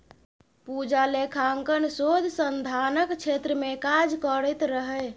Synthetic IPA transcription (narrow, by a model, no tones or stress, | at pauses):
pud͡ʒalekʰaŋkənsod̪ʱsənd̪ʱanəkt͡ʃʰet̪ɾəmekad͡ʒkəɾəjt̪ɾəɦɛj